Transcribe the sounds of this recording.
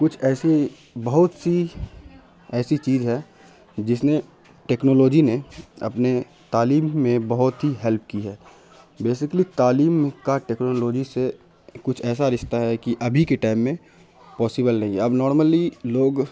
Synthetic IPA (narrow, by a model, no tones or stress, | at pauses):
kʊt͡ʃʰɛːse | bɐɦʊt̪si | ɛːsit͡ʃiːzɦɛ | d͡ʒɪs̬ne | ʈeːknoːloːd͡ʒineɐ̰pne | t̪aːliːmːẽbɐɦʊt̪ɦiɦɛlp̚kiɦɛː | beːsɪklit̪aːliːmkaʈeːknoːloːd͡ʒise | kʊt͡ʃʰɛːs̬aɾɪʃt̪aɦɛkiʔɐbʱikeʈaːɪmːẽ | pɔːsɪbəlnɐɦĩɛɐbnɔːɾməliloːɡ